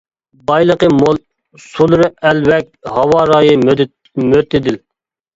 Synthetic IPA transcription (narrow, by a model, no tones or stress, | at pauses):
bɑjlˠəqəmolˠ | sulˠɨɾɨɛlwɛk̚ʲhɑwɑːɾɑːjɨ | møt̪ʰɪd̪ɪl